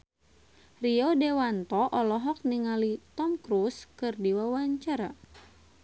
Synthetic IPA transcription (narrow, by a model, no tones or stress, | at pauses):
riɔdewant̪ɔʔɔlɔɦɔk̚niŋalit̪ɔmkɾuskɨrdiwawaɲt͡ʃaɾa̰